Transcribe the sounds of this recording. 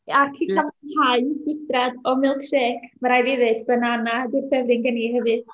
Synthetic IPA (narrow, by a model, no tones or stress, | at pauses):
arkʰiːkʰamnhaɨɡ̥wɪdradɔmɪlˠkʃeːkməɾajvɪðɨd̥bənanadɪrfɛvrɪŋɡəniɦɛvɨð